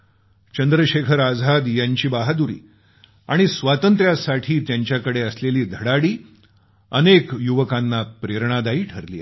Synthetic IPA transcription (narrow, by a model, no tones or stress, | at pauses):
t͡ɕənd̪ɾəɕekʰəɾad͡zʱad̪jaɲt͡ɕiːbaɦad̪uɾḭː | aɽ̃isʋat̪ənt̪ɾjasaʈʰiːt̪jaɲt͡ɕjakəɽeəsleliːd̪ʱəɽaɽiː | ənekjuʋəkanːapɾeɾɳ̃ad̪aiːʈʰəɾlḭː